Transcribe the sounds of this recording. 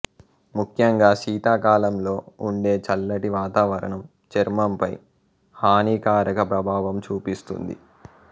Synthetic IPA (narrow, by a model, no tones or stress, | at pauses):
mukʰjɐŋɡaːʃiːt̪aːkaːlɐmlo̞ːuɳɖe̞ːt͡ʃɐlːɐʈiʋaːt̪aːʋɐɾɐ̰ɳɐm | t͡ʃeɾmɐmpɐj | haːniːkaːɾɐkɐpɾɐbʱaːʋɐmt͡ʃuːpist̪ṵnd̪ḭ